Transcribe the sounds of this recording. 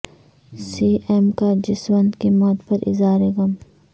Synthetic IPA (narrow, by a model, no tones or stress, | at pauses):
siːʔemkad͡ʒɪswɐnd̪kimaːt̪pɐɾʔɪ̰zaːɾeɡɐm